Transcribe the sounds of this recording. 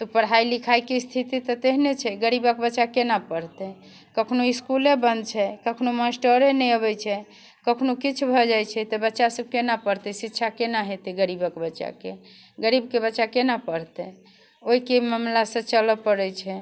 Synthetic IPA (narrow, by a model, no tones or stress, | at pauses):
t̪ɔpəɽɦailikʰajkest̪ʰit̪it̪ɔt̪eɦnet͡ʃʰɛɡəɾibəkbətːʃakenapəɽ̤t̪ɛ | kəkʰnoiskulebənd̪̚t͡ʃʰɛkəkʰnomasʈəɾenɛəbɛt͡ʃʰɛ | kəkʰnokit͡ʃʰbʱɔd͡ʒajt͡ʃʰɛt̪ɔbətːʃasəb̚kenapəɾt̪ɛsitːʃʰakenaɦet̪ɛɡəɾibəkebətːʃa̰ke | ɡəɾibkebətːʃakenapəɽ̤t̪ɛ | oikeməmlasə̃t͡ʃələpəɾɛt͡ʃʰɛ